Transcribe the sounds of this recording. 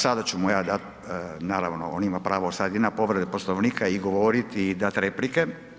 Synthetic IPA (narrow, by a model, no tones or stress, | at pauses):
sad̪at͡ɕumujaːd̪at̪ | naːɾa̰ʋno̰onimapɾaːʋosad̪jed̪napo̞ʋɾed̪eposloʋniːkaiɡoʋoɾit̪id̪at̪ɾeplike